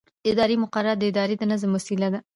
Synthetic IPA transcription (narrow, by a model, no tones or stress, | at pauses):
ɪd̪ɑɾimʊqaɾːaɾd̪əɪd̪ɑɾed̪ənəzəmʊsilad̪a